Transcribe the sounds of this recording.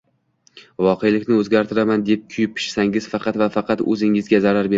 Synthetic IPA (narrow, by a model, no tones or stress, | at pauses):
vɒqʰe̞jlɪkʲnɪɵzɡʲaɾt̪ʰɪɾamand̪ep̚kʲʰʊjɪpʰːɪ̥ʃsaŋɪzfɑqɑt̪vafɑqʰɑt̪ɵ̰zɪŋɪzɡʲazaɾaɾbeɾ